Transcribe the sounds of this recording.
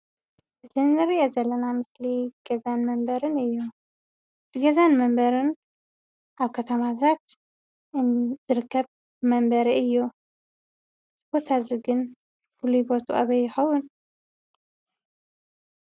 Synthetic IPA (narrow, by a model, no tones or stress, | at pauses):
ʔɨzʰɨnːɨɾiʔozɐlːɐnamɨsliɡ̥ɐzanmɐmbɐɾɨnɨjːu | ʔɨt̪ʰɨɡɐzanmɐmbɐɾɨn | ʔaβkʰɐt̪ʰɐmazʰat̪ | ɨz̥ɨɾɨkʰːɐβ | mɐmbɐɾiɨjːu | ɨzɨbo̞t̪ʰaziɡɨn | fulubo̞t̪ʰua̰βɐjːɪxɐwʊn